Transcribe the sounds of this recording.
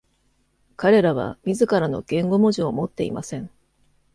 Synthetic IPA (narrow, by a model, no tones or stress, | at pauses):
kaɾe̞ɾaβ̞a̰mʲizɨkaɾano̞ɡ̥ẽ̞ŋɡo̞mo̞ʑiomo̞t̪ːe̞ḭmasẽ̞ɴ